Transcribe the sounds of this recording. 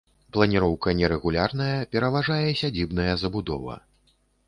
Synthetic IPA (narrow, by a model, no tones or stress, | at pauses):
plˠɐnʲiɾɔwkɐnʲɛɾɛɣulʲarn̪ɐjɐpʲɛɾɐvaʐajɛsʲad͡zʲibnɐjɐzɐbud̪ɔ̰vɐ̰